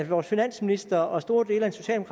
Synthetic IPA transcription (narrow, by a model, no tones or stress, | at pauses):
ʋɒːsfinæn̰sminisd̥ɐɒsd̥o̝ːɐd̥e̝ːlæd̥nso̝ɕɛ̰ːld̥e̝o